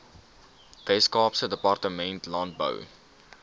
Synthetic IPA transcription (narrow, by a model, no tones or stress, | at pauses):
d̥ɛskɑːpsədəpɑrtəmɛntlɑnt̚bə̰w